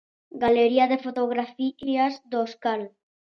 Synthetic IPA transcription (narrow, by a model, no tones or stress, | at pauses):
ɡaleɾiaðefot̪oɣ̞ɾafiazd̪oskal